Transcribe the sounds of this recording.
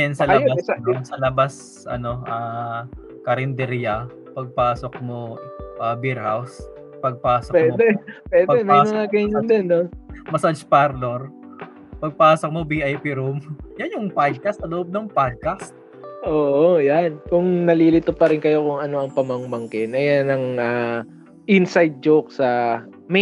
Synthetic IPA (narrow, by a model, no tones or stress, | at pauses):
ɐnsɐlɐbasnosɐlɐbas | ʔɐ̰no̞ʔa | kɐɾɛnd̪ɛɾjɐ | pɐɡ̚paːsok̚mo̞ʔaːbiɾhaws | pɐɡ̚paːsokwɛd̪ɛpwɛːdpɛmjmɐŋakɐnnd̪ɛnːomɐsɐd͡ʒpaɾloɾ | pɐɡ̚paːsok̚mobiʔajpiɾumjanjʊŋpad̪̚kɐst̪ːɐloʔob̚nɐŋpad̪̚kast̪̚ | ʔoːʔojankʊŋnɐliːlɪt̪opɐɾɪnkɐjo̞kʊŋɐno̞ʔɐŋpɐmɐŋmɐŋkɪnʔɐjanɐŋa | ʔɪnsajd̪̚d͡ʒowk̚sɐ | m